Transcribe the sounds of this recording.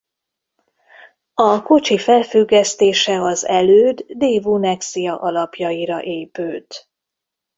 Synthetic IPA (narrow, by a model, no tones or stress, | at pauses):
ɒkot͡ʃifɛlfyɡːɛst̪eːʃɛɒzɛløːd̪ːeːvunɛksijɒʔɒlɒpjɒiɾɒ̰ʔeːpøːt̪